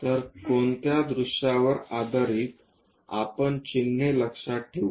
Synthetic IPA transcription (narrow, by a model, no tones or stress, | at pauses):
t̪əɾkoɳt̪jad̪ɾuʂaʋəɾad̪əɾiːt̪ | a̰pəɳt͡ɕinːeləkʂaʈʰːeʋu